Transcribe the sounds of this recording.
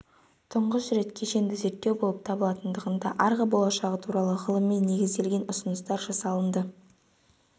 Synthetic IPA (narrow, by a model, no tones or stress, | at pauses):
t̪ʰʊɴʁəsɾe̞t̪kʲʰe̞ʃe̞nd̪ɪze̞ɾt̪ːe̞wbo̞lˠəp̚t̪ʰɑbəlˠɑt̪ənd̪əʁənd̪ɑʔɑɾʁɑbo̞lˠɑʃɑʁət̪ʰuɾɑlˠəʁəlˠəmːe̞nːe̞ɡʲɪzd̪e̞lɡʲe̞nʊsənəst̪ɑɾʒɑsɑlˠənd̪ə